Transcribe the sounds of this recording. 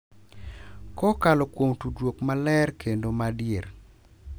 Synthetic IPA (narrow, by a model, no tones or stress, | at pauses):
kɔkalɔkwomtudwokmalɛrkʰendomadjer